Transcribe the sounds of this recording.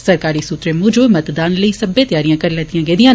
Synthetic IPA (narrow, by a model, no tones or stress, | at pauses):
səɾkaːɾiːsuːt̪ɾeːmʊd͡ʒomət̪d̪aːnləiːsəbẽːt̪jaːɾijãːkəɾlɛːd̪ijãːɡeːd̪ijãː